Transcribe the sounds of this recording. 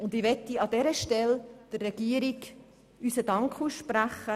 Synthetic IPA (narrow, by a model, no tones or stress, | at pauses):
ʊndɪʋɛtːiɑdɛɾəʃtɛld̥ərːɛɡ̥iəɾik | ysədɑŋkχuːsʃpɾæχə